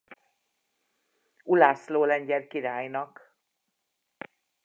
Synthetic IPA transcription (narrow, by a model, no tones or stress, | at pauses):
ulaːsloːlɛɲɟɛrkiɾaːjnɒk